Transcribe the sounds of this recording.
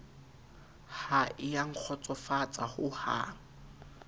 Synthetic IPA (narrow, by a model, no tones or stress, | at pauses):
haʔɪjaŋ̩k͡xʰɔt͡sʼɔfat͡sʼahʊha̰